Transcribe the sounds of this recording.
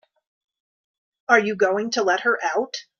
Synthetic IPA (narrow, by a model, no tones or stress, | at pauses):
ə˞jɨɡoʊɪ̃ŋtʰəlɛt̚hə˞ʔaʊt